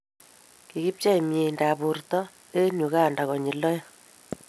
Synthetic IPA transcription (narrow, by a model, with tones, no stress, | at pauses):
ki˨ki˦p̚t͡ʃa˦i˨me˨nda˨bu˨rtɔ˦ | e˦ɲu˨ɣa˦˨nda˨ɣɔ˨ɲi˨lːɔ˦jɔ˦